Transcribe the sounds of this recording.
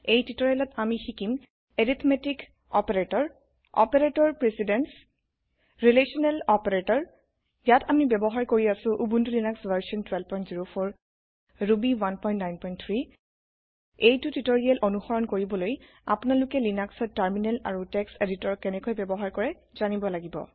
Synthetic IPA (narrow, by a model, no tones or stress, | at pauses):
ejtitɔɹialɔtamixikim | eɹit̪ʰmetik | ɔ̰peɹetɔɹ | ɔ̰peɹetɔɹpɹesidɛns | ɹilesɔnɛlɔpeɹetɔɹ | jatamibɛbɔɦaɹkoɹiasʊ̃ʔubuntulinaksvaɹsiɔntwɛlpɔjntziɹopʰɔɹ | ɹubiwanpɔj̃ntnajnpɔjnt̪ʰɹi | ejtutitoɹialʔonuxɔɹɔnkoɹibɔloj | a̰pʊnalʊkɛlinaksɔtaɹminɛla̰ɹutɛkseditɔɹkɛnɛkojbɛbɔɦaɹkɔɹɛ | z̥anibɔlaɡibɔ̰